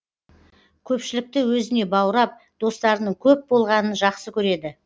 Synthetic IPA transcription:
kʲʰɵpʃɪlɪk̚t̪ɪwɵzɪne̞bɑwəɾɑp̚ | d̪̥o̞st̪ɑɾənəɴkʲʰɵp̚bo̞lˠʁɑnənʒɑqsəkʲʰɵɾe̞d̪ɪ

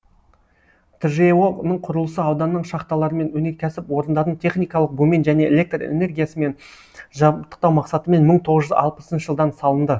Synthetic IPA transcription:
t̪ʰɪʒewonəɴqʰʊɾəlˠəsəɑwd̪ɑnːəɴʃɑqt̪ɑlˠɑɾəme̞nwɵne̞ɾkʲʰæsɪpwo̞ɾənd̪ɑɾənt̪ʰe̞χnijkɑlˠəq̚ɡɵme̞nʒæne̞ḛlʲe̞k̚t̪rḛne̞rɡʲijasəme̞n | ʒɑt̪ːə̥q̚t̪ɑwmɑqsɑt̪əme̞nməɴt̪ʰo̞ʁəʒʏzɑ̰lˠpəsənʃəʒəlˠd̪ɑnsɑlˠənd̪ə

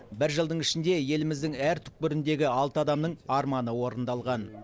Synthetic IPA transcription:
bɪɾʒəlˠd̪əɴɪʃɪnd̪e̞je̞lɪmɪzd̪ɪŋæɾt̪ʰʏ̥k̚pʏɾɪnd̪e̞ɡʲɪɑlˠt̪əɑd̪ɑmnəɴɑɾmɑnəwo̞ɾənd̪ɑlˠʁɑn

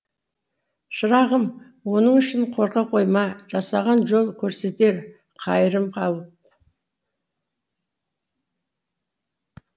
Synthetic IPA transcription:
ʃəɾɑʁəm | wo̞nəɴʏʃɪɴqʰo̞ɾqɑqʰo̞jmɑʒɑsɑʁɑnʒo̞lˠkʲʰɵɾse̞t̪e̞ɾ | qʰɑjəɾəmqʰɑlˠəp̚

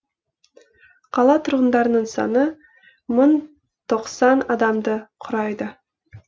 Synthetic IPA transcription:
qʰɑlˠɑt̪ʰʊɾʁənd̪ɑɾənəɴsɑ̰nə | mən | t̪ʰo̞qsɑnɑd̪ɑmd̪əqʰʊɾɑjd̪ə

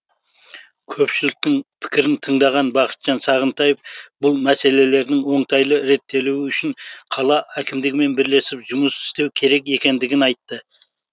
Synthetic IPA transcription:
kʲʰɵpʃɪlɪk̚t̪ɪŋpʰɪ̥kʲɪɾɪnt̪ʰəɴd̪ɑʁɑnbɑqʰə̥t̪ʒ̥ɑnsɑʁənt̪ɑjefbʊlˠmæse̞le̞le̞ɾd̪ɪŋwo̞ɴt̪ʰɑjlˠəɾe̞t̪ːe̞lewɪʏʃɪɴqʰɑlˠɑʔækʲʰɪmd̪ɪɡʲɪme̞nbɪɾle̞sɪpʒʊməsɪ̥st̪e̞wkʲʰe̞ɾe̞kʲe̞kʲe̞nd̪ɪɡʲɪnɑjt̪ːə

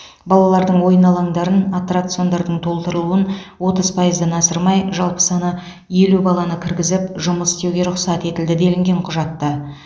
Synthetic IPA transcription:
bɑlˠɑlˠɑɾd̪əɴwo̞jənɑlˠɑɴd̪ɑɾənat̪rat̪sio̞nd̪ɑɾd̪əɴt̪ʰo̞lˠt̪əɾəlˠuənwo̞t̪əzpʰɑjəzd̪ɑnɑsəɾmɑjʒɑlˠpə̥sɑnə | e̞lubɑlˠɑnəkʲʰɪɾɡʲɪzɪpʒʊməsɪ̥st̪e̞wɡʲe̞ɾʊqsɑt̪e̞t̪ɪld̪ɪd̪e̞lɪŋɡʲe̞ɴqʰʊʒɑt̪ːə

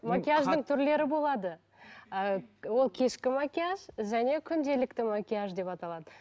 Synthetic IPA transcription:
makʲiaʒd̪əɴt̪ʰʏɾle̞ɾɪbo̞lˠɑd̪ə | əwo̞lˠkʲʰe̞ʃkʲɪmakʲijaʒʒæne̞kʲʰʏnd̪e̞lɪkt̪ɪmakʲijaʒd̪e̞pɑt̪ɑlˠɑd̪ə

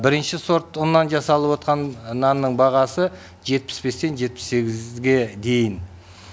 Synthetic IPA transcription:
bɪɾɪnʃɪso̞ɾt̪ʊnːɑnʒɑsɑlˠəpwo̞t̪̚qʰɑnːɑnːəɴbɑʁɑsə | ʒe̞t̪̚pɪ̥sbe̞st̪e̞nʒe̞t̪̚pɪ̥se̞ɡʲɪzɡʲe̞d̪e̞jɪn

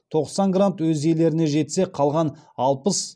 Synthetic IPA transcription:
t̪ʰo̞qsɑŋɡrant̪wɵze̞le̞ɾɪne̞ʒe̞t̪se̞qʰɑlˠʁɑnɑlˠpəs

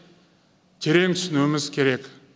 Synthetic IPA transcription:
t̪ʲʰeɾeŋsnømɪzkʰʲeɾek

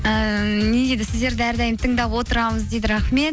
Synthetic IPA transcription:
əned̪ʲed̪ɪsɪzd̪e̞ɾd̪ɪæɾd̪æjɪmt̪ʰəɴd̪ɑpwo̞t̪əɾɑməzd̪e̞jd̪ɪɾɑχme̞t̪̚

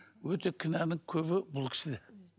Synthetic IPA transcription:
wɵt̪ekʲʰɪnænɪŋkʲʰɵβɪbʊlˠkʲʰɪ̥ʃɪd̪e

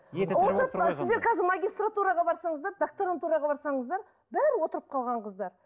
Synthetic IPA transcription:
woəɾəpsɪzd̪e̞ɾkʰɑzɪɾmaɡʲijst̪rat̪uɾɑʁɑbɑɾsɑɴəzd̪ɑɾd̪akt̪oɾant̪uɾɑʁɑbɑɾsɑɴəzd̪ɑɾ | bæɾɪwo̞t̪əɾəp̚qʰɑlˠʁɑnqʰəzd̪ɑɾ

